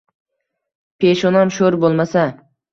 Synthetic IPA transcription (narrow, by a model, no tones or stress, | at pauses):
pʰeʃɒnɒmʃoɾbolˠmasa